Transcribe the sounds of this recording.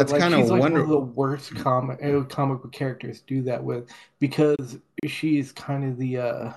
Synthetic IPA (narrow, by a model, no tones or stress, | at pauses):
æslakãɪ̃ndəizlaɪwʌ̃ndə˞ðəwɜ˞skʰɑmɨkʰɑməkl̩ˠkʰɛɹɨk̚tə˞zd̥ɨðɨʔ̚wɪð̥b̥ɨkʰʌz̥ʃiz̥kʰãɪ̃ndʌðiʌ